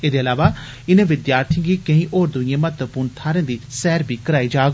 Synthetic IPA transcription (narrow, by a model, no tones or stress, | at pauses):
eːd̪eːəlaːʋaː | ɪnẽːʋɪd̪jaːɾt̪ʰij̃ːɡiːkəĩːʔoːɾd̪ʊĩjẽːmət̪əpuːɾnt̪ʰaːɾẽːd̪iːsɛːɾbʱiːkəɾaːiːd͡ʒaː